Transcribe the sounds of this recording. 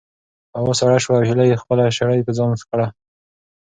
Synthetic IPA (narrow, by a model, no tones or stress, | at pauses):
awosaɽaʃwaːwhilajexpəlaʃaɽajpəzɑnfkɽa